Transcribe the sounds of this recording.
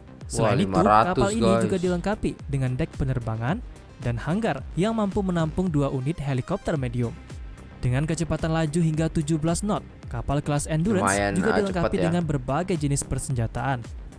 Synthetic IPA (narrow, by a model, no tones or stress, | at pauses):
səlajnitmuɾatkapaliid͡ʒuɡadiləŋkapidəŋandɛk̚pənərbaŋan | danhaŋɡarjaŋmampumənampʊŋduaʔunɪt̪̚ɦelikɔp̚t̪ərmediʊm | d̥əŋankət͡ʃəpat̪anlad͡ʒuɦiŋɡat̪ud͡ʒubəlasnɔt̪̚kapalklasɛnduɾəɛnd͡ʒuɡadiləŋkapidəŋanbərbaɡajd͡ʒənɪspərsəɲd͡ʒat̪aʔan